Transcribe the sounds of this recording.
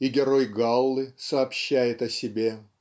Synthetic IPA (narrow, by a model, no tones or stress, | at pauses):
iɡʲɪɾojɡalˠːɨsɐːpɕːæjɪt̪ɐsʲɪbʲe